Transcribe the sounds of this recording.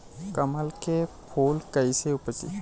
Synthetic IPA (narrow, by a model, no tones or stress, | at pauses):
kəməlkepʰoːlkəɪseʊpəsḭ